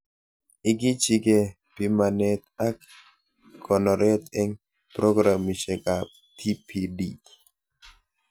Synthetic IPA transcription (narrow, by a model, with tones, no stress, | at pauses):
ɪ˨ɡɪ˦t͡ʃi˦ɡe˨ | pi˨ma˨nɛ˨t̪a˦k | kɔ˨nɔ˨ɾɛ˦t̪ɛ˦ŋ | pɾɔ˦ɡɾa˨mi˨ʃɛ˨ka˨p̚ | t̪ʰi˦pʰidi